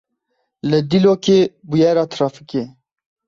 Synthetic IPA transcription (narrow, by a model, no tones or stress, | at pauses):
ləd̪iloːkeːbujɛːɾɑːt̪ʰɾɑːfike